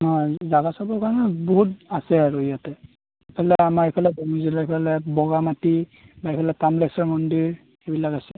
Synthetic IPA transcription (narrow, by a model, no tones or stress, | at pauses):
ɦɔzaɡasabɔɹkaɹɔnɛbɔɦut̚asɛaɹujatɛ | epʰɛlɛamaɹepʰalɛbɔŋizilaepʰalɛbɔɡamati | baepʰɛlɛtamlɛsɔɹmɔndiɹ | xebilakasɛ